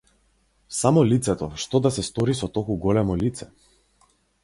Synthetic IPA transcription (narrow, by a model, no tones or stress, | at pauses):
samɔlit̪sɛt̪ɔʃt̪ɔd̪asɛst̪ɔɾisɔt̪ɔkuɡɔlɛmɔlit̪sɛ